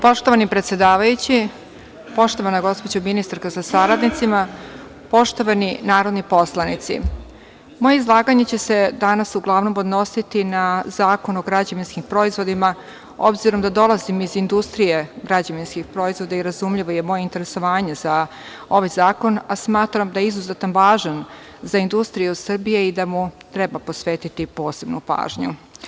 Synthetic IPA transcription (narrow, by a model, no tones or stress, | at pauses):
po̞ʃt̪o̞ʋanipɾe̞t̪sjed̪aːʋajut͡ɕi | po̞ʃt̪o̞ʋanaɡo̞spo̞d͡ʑominist̪aɾkazasaɾad̪nit̪sima | po̞ʃt̪o̞ʋaninaːɾo̞d̪nipo̞slˠanit̪sḭ | mo̞jeizlˠaːɡaɲet͡ɕe̞se̞d̪anasuɡlˠaʋno̞mod̪no̞sit̪inazaːkonoɡɾad͡ʑaʋinskimpɾo̞izʋo̞d̪ima | o̞̰bziɾo̞md̪ad̪o̞lˠazimizind̪ust̪ɾije̞ɡɾad͡ʑaʋinskixpɾo̞izʋo̞d̪aiɾazumʎiʋo̞je̞mo̞jeint̪e̞ɾe̞so̞ʋaːɲe̞za | o̞ʋajzaːko̞nasmaːt̪ɾamd̪ajeizuzet̪anʋaːʒan | zaind̪ust̪ɾijusr̩bije̞id̪amut̪ɾe̞baposʋeːt̪it̪ipo̞ːse̞bnupa̰ːʒɲu